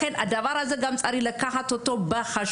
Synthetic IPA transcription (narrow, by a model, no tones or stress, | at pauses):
enʔad̪ɐvaɾazɐɡamt͡sʼaɾilɐkʰːaħat̪ʰot̪ːobɐxɐʃ